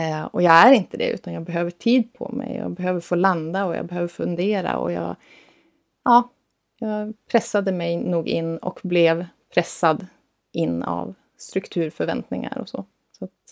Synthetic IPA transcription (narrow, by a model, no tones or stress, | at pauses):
ɔjɑːɡæɾɪnt̪əd̪ɛ̰ʉ̟ːt̪anjɑːɡbɛɦøːvəʈʰiːd̪pʰɔ̰mɛ̰jja̰ːbɛɦøːvəɾfoːland̪aɔjɑ̰ːbɛɦøːvəɾfɵnd̪eːɾa̰ɔ̰jɑːɡ | ʔɑː | jɑːɡpʰɾɛsːad̪əmɛjnuːɡɪnːɔ̰kblɛvpʰɾɛsːad̪ | ʔɪnːa̰v | st̪ɾɵkt̪ʰʉ̟ːɾfœɾvɛnt̪nɪŋa̰ɾɔsɔ | sat̪